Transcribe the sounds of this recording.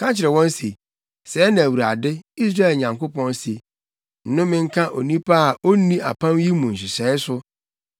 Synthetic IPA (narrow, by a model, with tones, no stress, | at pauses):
kʰã˦t͡ɕʰɪ˨ɾɛ˨wɔ̃˦n˦si˨ | sɛː˨˦nã˨wu˨ɾa˨dɪ˦i˦s̬ɾaː˦ɛ˨lɲã˨ŋko˦pʰɔ̃˦nsi˨ | n̩˨˦nʊ̃˦mɪ̃˦ŋ̩˦kʰã˦ʔo˨nĩ˦pʰa˦a˨ʔo˦nĩ˦a̰˨pʰã˦mji˦mũ˨n̩˨ɕ̬ɪ˨sɛː˨˦ɪ˦sʊ˦